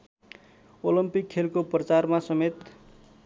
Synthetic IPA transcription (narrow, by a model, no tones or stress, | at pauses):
olimpikʰːelkoprʌt͡sarmasʌmet̪